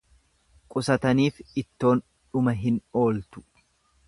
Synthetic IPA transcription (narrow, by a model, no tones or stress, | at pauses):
kʼʊsɐt̪ɐniːfɪt̪ːo̞ːn | ᶑʊmɐɦɪno̞ːlt̪ʊ̥